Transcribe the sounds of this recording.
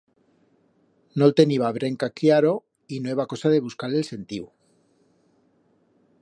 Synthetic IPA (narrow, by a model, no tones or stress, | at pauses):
nolt̪e̞niβaβɾe̞ŋkakjaɾo̞ | inwe̞βako̞saðe̞β̞uskaɾlelse̞nt̪iu